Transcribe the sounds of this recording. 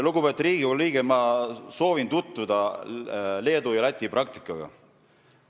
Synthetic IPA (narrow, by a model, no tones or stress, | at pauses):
luɡubet̪ːˑɾiːɡiolliːɡ̥emɑso̞ːvint̪ut̪vud̪̥ɑ | le̞ːd̪ujɑlæt̪ʲːˑiprɑk̚t̪i̥kˑːɑɡ̥ɑ̰